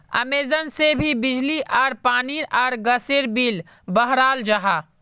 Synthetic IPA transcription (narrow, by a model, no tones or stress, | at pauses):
ɐ̰meːzənsebʱibɪd͡ʒliʔɔːɾpaːniɔːɾɡəseɾbiːl | bəɦɾaːld͡ʒəɦaː